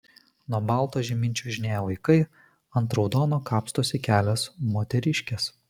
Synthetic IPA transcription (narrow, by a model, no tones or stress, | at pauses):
nuɔbɑˑlˠt̪oːʒʲɛmʲɪnʲt͡ʃʲuʊʒʲɪnʲeːjɛʋɐɪkɐɪ | ɐnt̪ɾɐʊd̪ɔːnoːkɑːpst̪osʲɪkʲæːlʲɛsmoːt̪ʲɛɾʲɪʃʲkʲɛs